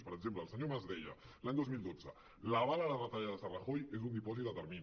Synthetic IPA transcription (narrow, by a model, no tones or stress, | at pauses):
spəɾəɡzempləːlsəɲomazðeʎa̰laɲd̪ozmilˠd̪od͡zə̰ | laβalalarət̪aʎaðəsaraxojezund̪ipɔzit̪ət̪əɾmin